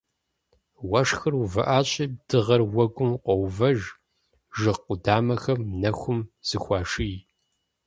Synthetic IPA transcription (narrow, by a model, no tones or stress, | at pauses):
wɐʂxɨruvɐʔaːɕʼid̥ɨʁɐrwɐɡʷʊmqʷɔwvɐʒ | ʒɨqʷʊdaːmɐxɐmnɐxʷʊmz̥ɨxʷɑːʂij